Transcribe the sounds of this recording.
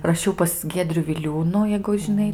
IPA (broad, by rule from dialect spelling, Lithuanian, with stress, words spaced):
rɐˈʃʲɛʊ pɐs ˈɡʲiɛdʲrʲʊ ʋʲɪˈlʲuːnuː jɛɪɡʊ ʒʲɪˈnɐɪ